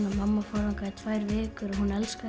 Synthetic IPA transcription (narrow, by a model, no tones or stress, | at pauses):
namamːafɔːwɾhawŋkait̪ʰvajɾvɪːkʏɾɔɦunɛlska